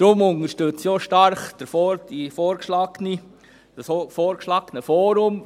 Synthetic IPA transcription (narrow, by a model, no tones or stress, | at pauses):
d̥ɾʊmʊnəʃtøt͡sjoʃtɑɾχd̪̥əɾfɔːɾd̥ifɔːɾkʃlɑːɡəni̥ | foːɾkʃlɑːɡ̥ənəfɔːɾʊm